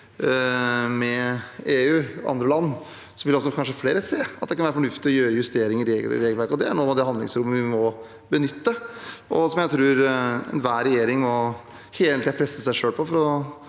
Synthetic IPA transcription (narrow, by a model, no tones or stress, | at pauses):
mɛeːʉːɑ̰nd̪ɾəlɑnː | sɔʋɪlɔs̬ɔkʰɑnʂəfleːɾəseːɑt̪̚d̪ɛkɑnʋæːɾəfɔɳʉft̪ɪɔjøːɾəjʉst̪eːɾɪŋɪɾeːɡ̪ɪ̰ɾeːɡəlʋæɾkəɔd̪ɛæɳuːmɑd̪ɛhɑnd̪lɪ̰ŋsɾʊmːəʋɪmɔ | bənʏt̪ːəʔɔsɔmjæɪt̪ʰɾʉːɾɛ̰nʋæːɾɛjeːɾɪŋmɔ | heːlət̪iːd̪pʰɾɛsːəsæɪʂøːlpʰɔfɔɾɔ